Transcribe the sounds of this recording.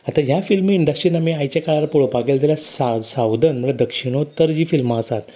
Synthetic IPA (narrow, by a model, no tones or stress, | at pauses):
at̪ajafilmiːɳɖəsʈɾinamiːajt͡ɕakaɭaɾapuɭopaɡeld̪elasasawd̪ʱənməɡad̪əkʂiɽ̃ot̪əɾd͡ʑiːfilmaəsat̪